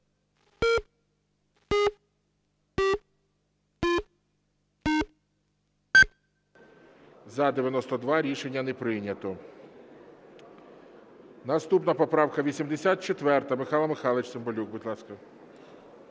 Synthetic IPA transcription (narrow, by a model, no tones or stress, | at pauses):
zɐd̪eʋjɐnɔst̪ɔd̪ʋɑɾʲiʃenʲːɐnepɾɪnʲɐt̪ɔ | nɐst̪upnɐpɔpɾɑwkɐʋʲisʲimd̪esʲat̪̚t͡ʃet̪ʋɛrt̪ɐmɪxɑlˠɐmɪxɑlˠet͡ʃsembɔlʲuɡ̚budʲlˠɑskɐ